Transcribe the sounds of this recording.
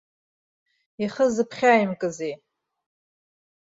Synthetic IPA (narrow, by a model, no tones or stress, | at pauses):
iχəzɨpʰχʲajimkʼɨzej